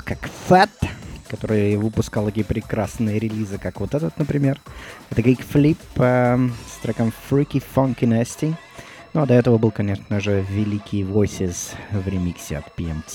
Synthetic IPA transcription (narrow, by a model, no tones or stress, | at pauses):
kakfɛt̪kɐt̪o̞ɾɨjvɨpʊskalˠt̪ɐkʲijəpɾʲɪkɾasnɨjəɾʲɪlʲizɨkakvot̪ɛt̪ət̪nəpɾʲɪmʲe̞rɛt̪əkʲikflʲipəst̪ɾɐkamfɾʲikʲifɐŋkʲɪnɛsʲtʲɪ | nuɐd̪ɐɛt̪əvəbɨlˠkɐnʲe̞ʂnəʐɨvʲɪlʲikʲijvojsʲɪsvɾʲɪmʲiksʲɪɐ̰t̪pʲɪɛmtʲ